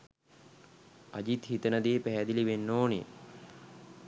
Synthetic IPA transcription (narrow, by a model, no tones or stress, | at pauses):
ɐd͡ʑit̪hit̪ənəd̪eːpæɦæd̪iliʋenːoːnḛ